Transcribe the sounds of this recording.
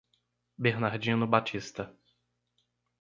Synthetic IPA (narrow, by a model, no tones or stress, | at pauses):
beɾnaɾd͡ʒĩnʊbat͡ʃist̪ɐ